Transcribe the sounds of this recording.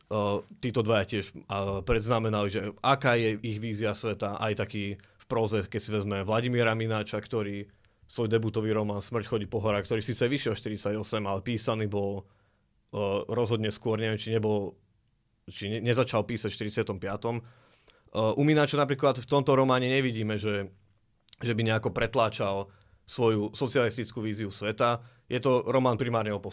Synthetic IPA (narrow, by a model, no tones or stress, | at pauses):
t̪iːt̪ɔd̪ʋajacɪɛʃapɾɛd̪znamɛnaliʒɛʔakaːjɛiɣʋiːziasʋɛt̪aʔa̰jt̪akiː | fpɾɔzɛkɛcsiʋɛzmɛʋlaɟimiːɾaminaːt͡ʃakt̪ɔɾiː | sʋɔjd̪ɛbut̪ɔʋiːɾɔmaːnsmr̩cxɔɟiːpɔɦɔɾakt̪ɔɾiːsiːt͡sɛʋiʃɪɛlʃt̪iɾit͡saɟɔsɛmalɛpiːsaniːbɔl | ɾɔzɦɔd̪ɲɛskʊɔɾɲɛʋɛmt͡ʃiɲɛbɔl | t͡ʃiɲɛɲɛzat͡ʃalpiːsacfʃt̪iɾit͡sɪat̪ɔmpɪat̪ɔm | ʔuminaːt͡ʃanapɾiːklat̪ft̪ɔmt̪ɔɾɔmaːɲɛɲɛʋiɟiːmɛʒɛ | ʒɛbiɲɛakɔpɾɛt̪laːt͡ʃal | sʋɔjusɔt͡sɪalist̪it͡skuʋiːziusʋɛt̪a | jɛt̪ɔɾɔmaːnpɾimaːɾɲɛɔpɔ